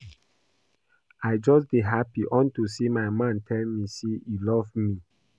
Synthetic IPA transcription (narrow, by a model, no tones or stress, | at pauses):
aɪd͡ʒɔsbiɦapiʔɔ̃ntusimaɪmãntʰɛlmiseilɔvmi